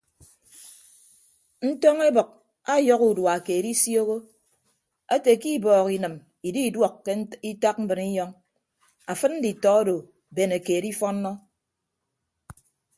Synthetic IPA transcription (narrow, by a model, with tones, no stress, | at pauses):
n̩˦tɔ˦ŋe˦bɔ˨k̚ | a˦jɔ˦ku˨dwa˨ke˨di˦sjo˦ɣo˦ | a˦te˨ki˦bɔː˨ki˨nɨ˨m | i˨di˦˨dwɔ˦kːe˦i˦ta˦k̚m̩˦bɨ˨ni˦jɔ˦ŋ | a˨fɨ˦t̚n̩˦di˨tɔ˨˦a˦do˨ | be˨ne˨ke˨di˦fɔ˦n̩ː˦ɔ˦